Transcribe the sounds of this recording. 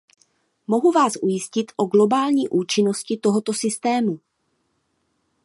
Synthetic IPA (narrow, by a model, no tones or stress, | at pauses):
mo̞ɦuvaːsʔujɪscɪt̪ʔo̞ɡlo̞baːlɲiːʔuːt͡ʃɪno̞scɪt̪o̞ɦo̞t̪o̞sɪst̪ɛːmu